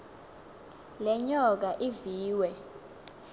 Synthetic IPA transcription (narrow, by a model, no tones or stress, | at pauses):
lɛɲɔk̬aʔiviːwɛ